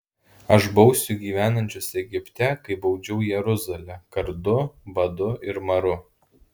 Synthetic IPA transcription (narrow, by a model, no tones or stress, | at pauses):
ɐʃbɒʊsʲʊɡʲiːʋʲæːnɐnʲt͡ʃʲʊsɛɡʲɪpʲt̪ʲɛkɐɪbɒʊd͡ʒʲɛʊjɛɾʊzɐlʲɛkɐɾd̪ʊbɐd̪ʊɪɾmɐɾʊ